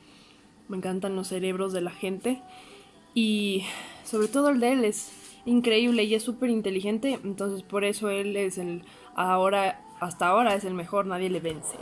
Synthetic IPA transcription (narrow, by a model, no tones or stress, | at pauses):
mẽ̞ŋkant̪anlo̞sːe̞ɾe̞β̞ɾo̞zðe̞laxe̞nt̪e̞ | i | so̞βɾe̞t̪o̞ð̞oe̞ld̪ee̞le̞siŋkɾe̞iβ̞le̞iesːupe̞ɾint̪e̞lixe̞nt̪e̞ent̪o̞nse̞spo̞ɾe̞so̞e̞le̞sel | ao̞ɾa | ast̪aːo̞ɾae̞se̞lme̞xo̞ɾnað̞je̞le̞βe̞nsḛ